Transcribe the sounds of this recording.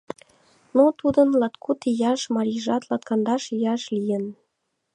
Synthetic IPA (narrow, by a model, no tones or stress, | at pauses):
not̪ud̪ə̆nlɑt̪kʰut̪ijɑʃmɑɾʲiʒɑt̪lɑt̪̚kɑnd̪ɑʃjɑʃlijən